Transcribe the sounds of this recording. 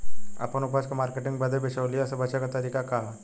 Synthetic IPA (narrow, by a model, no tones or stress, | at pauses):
a̰pənupaskamaːɾkeʈĩŋɡbəd̪əbeʃawliəsabɐt͡ʃakat̪ɐɾiːkakaɦ